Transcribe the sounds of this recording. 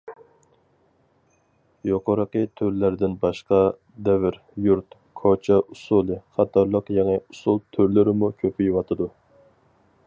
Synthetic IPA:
joqoɾəqət̪ʰøɾlæɾd̪ɪnbɑʃqɑ | d̪ɛvɪɾ | juɾt̪ | kʰot͡ʃʰɑʔusulˠɨχɑt̪ʰɑɾlˠəqjɛŋɛusulˠt̪ʰøɾlɪɾɪmukʲʰøpʰijwɑt̪ʰɨd̪u

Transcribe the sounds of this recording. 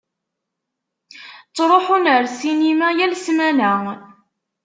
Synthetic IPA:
t͡sːɾˤoħunəɾsinimæjælsmænæ

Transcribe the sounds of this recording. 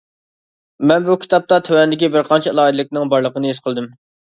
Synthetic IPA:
mɛnbukʲʰi̥t̪ʰɑp̚t̪ɑt̪ʰøwɛnd̪ɪkʲibɪɾqʰɑnt͡ʃʰɛlˠɑːid̪ɨlɪkʲnɪŋbɑɾlˠəqənɨisqʰəlˠd̪ɨm

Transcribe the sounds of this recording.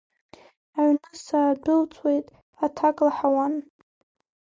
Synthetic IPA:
aʕnɨsaːdʊlt͡sʰʼwe̞jtʼ | atʰakʼlaħawan

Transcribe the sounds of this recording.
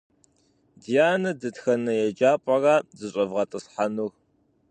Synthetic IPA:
dijaːnɐdɨtxɐnɐjɛd͡ʒaːpʼɐraːzɨɕʼɐvʁɐtʼɨsħanur

